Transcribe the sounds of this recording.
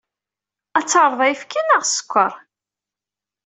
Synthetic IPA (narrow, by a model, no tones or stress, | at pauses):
æt͡sːɑɾˤðˤæjfkinəʁsə̥kʷːəɾˤ